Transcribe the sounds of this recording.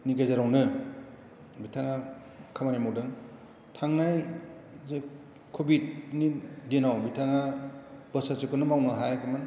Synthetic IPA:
niɡajzaɾawnɯ | bitʰaŋa | kʰamanimowdɯŋ | tʰaŋnajze | kʰobid̚nidenawbitʰaŋabɯsasɯkɯnɯmawnɯɦajkʰɯmɯn

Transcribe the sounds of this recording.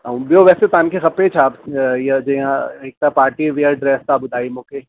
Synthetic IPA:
aũbjoʋɛːset̪aːnkʰexɐpet͡ʃʰaːpjed͡ʒɐjãek̚t̪apaːɾʈiʋeəɾɖɾɛːst̪aːbʊd̪ʱaːimõːke

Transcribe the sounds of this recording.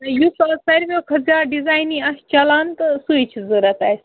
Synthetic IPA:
ɐjusɐlsɐɾʲbokʰɐzʲaːɖizaːjniɐst͡ʃɐlaːnt̪ɨsuit͡ʃʰzəɾɐt̪aːjs

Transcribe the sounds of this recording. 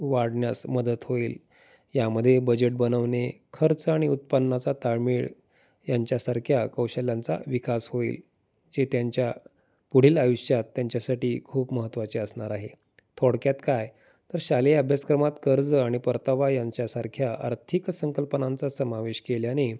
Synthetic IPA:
ʋaɽɳjasməd̪ət̪ɦoiːl | jaməd̪ʱːjebəd͡ʑeʈ̚bənəʋnekʰəɾt͡saɽ̃iut̪̚pənːat͡sat̪aɾmiːɭ | jaɲt͡ɕjasaɾkʰjakəwɕəljãnt͡sa̰ʋikashoḭːl | d͡zet̪jaɲt͡ɕja | puɽ̤iːlajuɕjat̪ːjaɲt͡ɕjasaʈiːkʰuːpməɦət̪ːʋat͡ɕeəsɳaɾaɦe | t̪ʰoɽkjat̪kaj | t̪əɾɕaleəbʱjaskɾəmat̪kəɾd͡zaɽ̃ipəɾt̪aʋajaɲt͡ɕjasaɾkʰjaʔə̰ɾt̪ʰiksəŋkəlpənant͡sasəmaʋeɕkeljane

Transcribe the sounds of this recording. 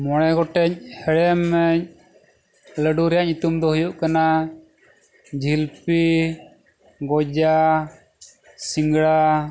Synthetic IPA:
mɔɽ̃ɛɡɔʈɛɲhɛɽmːɛɲ | ləɖuɾɛjaɲit̪umd̪ɔhujuʔkana | d͡ʒʱilpi | ɡɔd͡ʒa | siŋɡɽa

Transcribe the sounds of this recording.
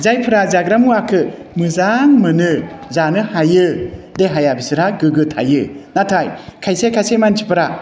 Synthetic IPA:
zajpʰɯɾazaɡɾamuakʰɯ | mɯzaŋmɯnɯzanɯhajɯdeɦajabisɯɾaɡɯɡɯtʰha̰jɯnatʰajkʰajsekʰajsejmant͡ʃʰipʰɯɾa

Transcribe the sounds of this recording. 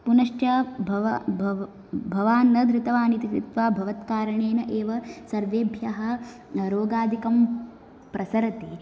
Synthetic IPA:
punɐʂʈjɐbʱɐʋ | bʱɐʋaːnːɐd̪ɾɪt̪ɐʋaːnit̪ikɾit̪ʋaːbʱɐʋɐt̪kaːɾɐɳeːnɐʔeːʋɐsɐɾʋeːbʱjɐɦɐ̆ | ɾoːɡaːd̪ʱikɐm | pɾɐsɐɾɐt̪i

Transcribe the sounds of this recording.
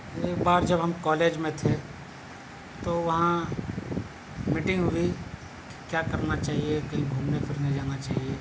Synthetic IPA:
eːkbaːɾd͡ʒɐbɦɐmkɔːleːd͡ʒmẽt̪ʰe | t̪oʋɐɦã | miːʈɪ̃ŋɡɦʊi | ki̥kjaːkɐɾnat͡ʃaːɦiekoĩbʱuːmnepʰɪɾneɦĩd͡ʒaːnat͡ʃaːɦie

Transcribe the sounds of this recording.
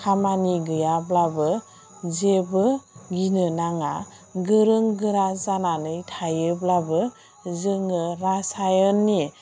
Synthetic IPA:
kʰamaniɡɯjablabɯ | zebɯɡinɯnaŋa | ɡɯɾɯŋɡɯɾazananɯjtʰajɯblabɯ | zɯŋɯɾasajɔnːi

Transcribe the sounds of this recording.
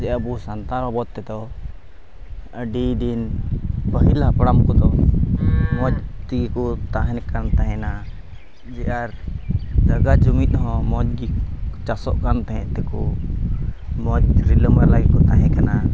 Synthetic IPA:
d͡ʒɛjʔabusant̪aɾɔbɔd̪̚t̪ɛd̪ɔ | əɖid̪inpəɦilapəɽamkɔd̪ɔ | mɔd͡ʒt̪iɡikɔt̪aɦɛnkant̪aɦɛ̃na | d͡ʒɛʔaɾd͡ʒaɡad͡ʒumit̪̚ˀɦɔ̃mɔd͡ʒ̚ɡit͡ʃasɔʔkant̪ɛɦɛ̃ʔt̪ɛkɔ | mɔd͡ʒɾiləməɾlaɡikɔt̪aɦɛ̃kana

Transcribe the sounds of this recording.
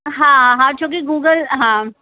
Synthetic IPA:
ɦãːãɦãːt͡ʃʰok̬iɡuːɡəlɦãː

